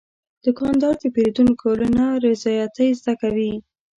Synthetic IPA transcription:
d̪̥əkɑnd̪ɑɾd̪əpeɾed̪unkʰolənaɾɪzɑjat̪əjzd̪akawi

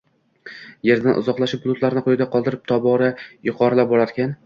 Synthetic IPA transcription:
je̞ɾd̪anʔʊ̰zɒqlˠaʃɪp̚blˠʊt̪laɾɪnɪqʰojɪd̪aqʰɒlˠd̪ɪɾɪp̚t̪ʰɒbɒɾajʊqʰɒɾalap̚bɒɾaɾkʲan

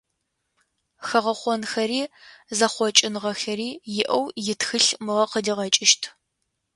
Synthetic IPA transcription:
xɐʁɐχʷɔnxɐɾiːzɐχʷɔt͡ʃʼɪnʁɐxɐɾiːjɪʔɐwjɪtxɨɬmɨʁɐqədiːʁɐt͡ʃʼɪʃtʰ

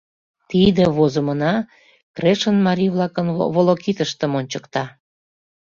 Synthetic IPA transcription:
t̪id̪eβozə̆mənɑ | kreʃənmɑɾʲiβlɑkənβolokit̪əʃt̪ə̆monʲt͡ɕə̥kt̪ɑ

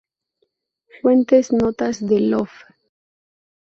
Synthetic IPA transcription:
fwent̪eznot̪azðelof

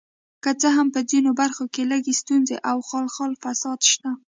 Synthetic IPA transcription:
kət͡səɦampəzinobaɾxokeləɡest̪unzeʔawxɑlxɑlfasɑd̪ʃt̪a

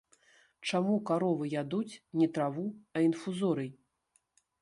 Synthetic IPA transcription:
t͡ʂamukaɾɔvɨjad̪ut͡sʲnʲɛt̪ɾavuɐinfuzɔɾɨj

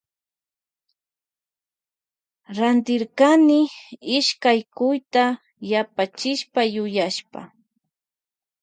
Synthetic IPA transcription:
ɾant̪ɪɾkanɪɪʃkajkʊjt̪a | japat͡ʃɪʃpajʊjaʃpa̰

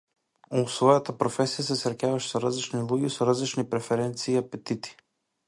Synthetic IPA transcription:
ɔsvɔjat̪apɾofɛsijasɛsɾacʲavaʃɛ̥sɔɾazlit͡ʃnilˠuɡɛsɔɾazlit͡ʃnipɾɛfɛɾɛnt̪siːapɛt̪it̪i̥

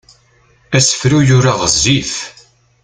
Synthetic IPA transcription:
æsə̥fɾujʊɾaʁəzːiθ

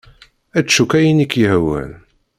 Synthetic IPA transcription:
æt͡ʃːukːæjinikːihwæ̰l

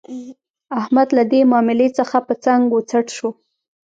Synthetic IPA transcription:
ahmad̪lad̪emɑmɪlet͡səxapət͡saŋɡɡot͡saʈʃo

